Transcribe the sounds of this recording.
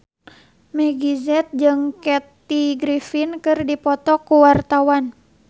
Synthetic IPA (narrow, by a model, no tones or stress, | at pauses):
mɛɡizɛt̪̚d͡ʒɨŋkɛt̪iɡɾifinkɨrdipɔt̪ɔkuwart̪awan